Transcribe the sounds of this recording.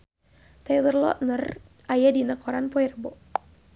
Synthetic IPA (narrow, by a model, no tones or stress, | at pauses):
t̪alərlɔ̰ʔnər | ʔajadinəkɔɾanpɔɛrbɔ